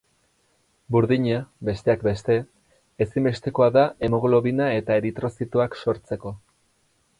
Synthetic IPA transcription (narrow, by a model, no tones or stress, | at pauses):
buɾðiɲabe̞st̪e̞akbe̞st̪e̞ː | simbe̞st̪e̞koaðaemo̞ɣlo̞βinae̞t̪aeɾit̪ɾo̞sit̪uakso̞ɾt͡se̞ko̞